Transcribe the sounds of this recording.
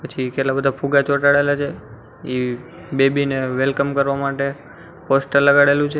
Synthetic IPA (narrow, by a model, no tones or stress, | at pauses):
pət͡ʃʰikeʈlabəd̪ʱapʰuɡat͡ʃoʈaɽelat͡ʃʰe | i | bebineʋelkəmkəɾʋamaʈe | posʈəɾləɡaɽelũt͡ʃʰe